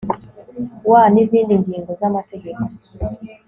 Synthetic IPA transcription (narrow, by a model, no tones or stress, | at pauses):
wanizindiŋɡiŋɡɔzamatɛɡɛkɔ